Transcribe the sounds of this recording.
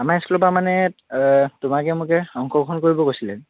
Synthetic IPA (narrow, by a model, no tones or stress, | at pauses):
amaɛskulɔpamanɛ | tʊmakɛmʊkɛɔŋkʰɔkʰɔnkoɹibɔkojsilɛ